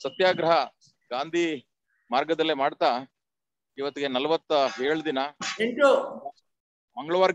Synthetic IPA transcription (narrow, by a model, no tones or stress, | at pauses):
sɐt̪jaːɡɾɐɦɐ | ɡaːnd̪ʱi | maːɾɡɐd̪ɐlːemaːɽt̪aː | iʋɐt̪ːiɡe̞nɐlɐʋɐt̪ːɦeːɭd̪inɐeɳʈu | mɐŋɡɐɭɐʋaːɾ